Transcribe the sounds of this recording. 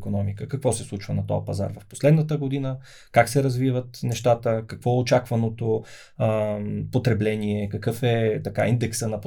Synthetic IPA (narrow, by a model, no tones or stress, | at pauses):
konɔmikəkɐkvɔsɛslˠut͡ʃvənɐt̪ɔ̰jəpɐza̰ɾvɐfpo̥slɛd̪nət̪əɡod̪inə | kaksɛɾɐzvivət̪nɛʃt̪at̪əkɐkvɔɛot͡ʃakvɐnot̪o | pot̪ɾɛblɛniɛkɐkɤfɛt̪ɐka̰ind̪ɛksənɐp